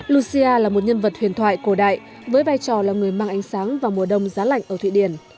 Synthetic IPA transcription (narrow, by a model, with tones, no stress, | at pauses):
lu˧si˧ʔaː˧laː˨˩mo˨˩t̚ɲə˧nvə˨˩t̚hwi˧˩ənt̪ʰwa̰ː˧˨jko˧˩ɗa̰ː˧˨j | vəː˨˦jvaː˧jt͡ɕɔ˨˩laː˨˩ŋɨ˨˩əjmaː˧ŋʔa˨˦jŋ̟saː˨˦ŋvaː˨˩mu˨˩əɗə˧wŋ͡mzaː˨˦la̰˧˨jŋ̟ʔə˧˩t̪ʰḭ˧˨ɗi˧˩ən